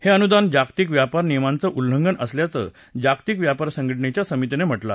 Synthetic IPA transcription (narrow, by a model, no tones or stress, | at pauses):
heənud̪and͡ʑakt̪ikʋjapaɾnijmant͡səʔulːəŋɡənəsljat͡sə̰ | d͡ʑakt̪ikʋjapaɾsə̃ŋɡəʈ̬ɳet͡ɕjasəmit̪inem̤əʈla̰